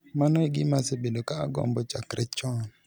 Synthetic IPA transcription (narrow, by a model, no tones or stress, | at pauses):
manɔiɡɪmasebelokaːɡɔ̰mbɔt͡ʃakɾɛt͡ʃɔn